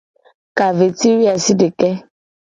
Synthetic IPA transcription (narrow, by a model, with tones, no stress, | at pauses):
ka˨ve˨ti˦ɾi˦a˨si˦de˨kɛ˦